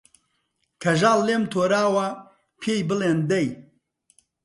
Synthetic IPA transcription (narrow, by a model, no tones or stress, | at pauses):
kʰɐʒaːlːemt̪ʰoːɾaːwɐ | pʰejbɨlend̪ɐj